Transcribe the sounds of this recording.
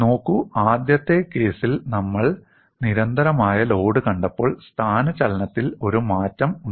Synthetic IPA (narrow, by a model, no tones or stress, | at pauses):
no̞ːkːuaːd̪jɐt̪ːe̞ke̞ːsilnɐmːɐɭ | niɾɐnd̪ɐɾɐmaːjɐlo̞ːɽɨkɐɳɖɐpːo̞ːɭst̪ʰaːnɐt͡ɕɐlɐnɐt̪ːilo̞ɾumaːtːɐmuɳ